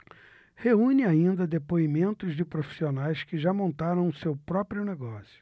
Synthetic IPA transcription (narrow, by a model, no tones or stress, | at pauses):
heũnɪaĩnd̪ɐd̪epoimẽnt̪ʊzd͡ʒɪpɾofi̥sionajskɪʒamõnt̪aɾɐ̃w̃ʊsewpɾɔpɾjʊneɡɔsjʊ̥